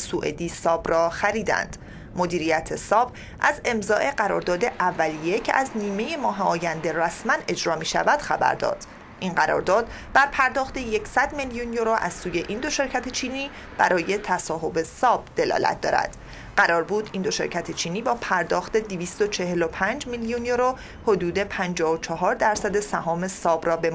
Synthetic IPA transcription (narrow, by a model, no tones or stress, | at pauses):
suːʔḛd̪iːsɒːbrɒːxæɾiːd̪æ̰nd̪̥ | mo̞d̪iːɾijæt̪ʰe̞sɒːb | ʔæze̞mzɒːʔe̞ɢæɾɒ̰ːɾd̪ɒːd̪e̞ʔævːælije̞cʰḛʔæzniːme̞je̞mɒːɦeɒːjænd̪e̞ræsmæne̞d͡ʒɾɒːmiːʃæ̰væd̪̥xæbæ̰ɾd̪ɒ̰ːd̪̥ | ʔinɢæɾɒ̰ɾd̪ɒːd̪̥ | bæɾpʰæɾd̪ɒːxt̪e̞jecʰsæd̪meljunjoɾoʔæz̥suːje̞ʔiːnd̪o̞ʃe̞ɾcʰæt̪ʰe̞t͡ʃʰiːniː | b̥æɾʔɒːje̞t̪ʰæsɒːɦo̞be̞sɒːb̥̚d̪̥e̞lɒ̰ːlæ̰t̪̚ʰd̪ɒ̰ːɾæ̰d̪̥ | ɢæɾɒːɾbuːd̪ind̪o̞ʃe̞̰ɾcʰæt̪ʰe̞t͡ʃʰiːniːbɒːpʰæɾd̪ɒːxt̪e̞d̪iviːst̪o̞t͡ʃʰe̞ɦe̞lo̞pʰænd͡ʒmiljunjoɾo | ho̞d̪uːd̪e̞pʰænd͡ʒɒːhot͡ʃʰɒɦɒːɾd̪æɾsæd̪e̞sæɦɒːme̞sɒːbrɒːbe̞m